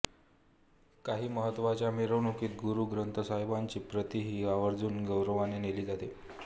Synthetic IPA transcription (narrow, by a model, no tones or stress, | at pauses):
kaɦiːməɦət̪ːʋat͡ɕjamiɾəʋnokiːt̪̚ɡuɾuːɡɾənt̪ʰəsaɦjbaɲt͡ɕiːpɾət̪iɦiːaʋəɾd͡zuːnɡəwɾəʋaneneliːd͡zat̪e